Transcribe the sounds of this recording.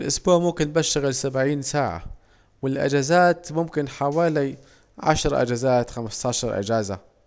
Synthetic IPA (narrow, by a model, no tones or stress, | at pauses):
lʔʊsbuːʕmʊmkɪnbaʃːɪɣɪlsabʕiːnsaːʕa̰ | wɪlʔa̰d͡ʒazaːt̪mʊmkɪnħawaːli | ʕa̰ʃɾˤʔa̰d͡ʒazaːt̪xamst̪ɑːʃɑɾˤʔɪ̰d͡ʒaːza̰